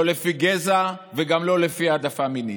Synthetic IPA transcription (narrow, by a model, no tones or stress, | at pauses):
olefiɡezaveɡamlo̞lefiad̪afamini